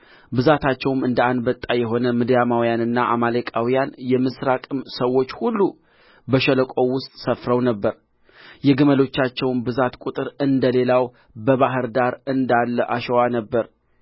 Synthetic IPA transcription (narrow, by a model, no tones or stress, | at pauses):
bɨzat̪ʰat͡ʃːɛwmɨnd̪əand̪bət̪ʼːajɛɦo̞nəmɨd̪jamawjanɨnːaʔamalekʼawijanjɛmɨsɾakʼɨmsəwːo̞t͡ʃːhulːu | bəʃələkʼo̞wʊst̪ʼsəfɾəwnəbːəɾ | jɛɡɨməlo̞t͡ʃːat͡ʃːɛwnbɨzat̪kʷʼut̪ʼɨɾɨnd̪əle̞law | bəβaɦɨɾd̪aɾɨnd̪alːəʔaʃəwanəbːəɾ